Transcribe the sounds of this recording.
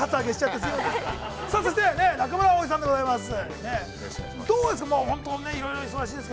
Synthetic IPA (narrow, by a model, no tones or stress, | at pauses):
hatt͡sɨaɡe̞ɕi̥t͡ɕat̪ːesjoe | saːso̞ɕ̬it̪e̞ne̞nak̬amɯɾaoːd͡ʑis̬ãnd̪eɡo̞zaimasɨne̞ | d̪oːd̪es̬ɨ̥kamoːhõ̞nt̪oːne̞iɾo̞jɾo̞iso̞ɡaɕiːd̪es̬ɨke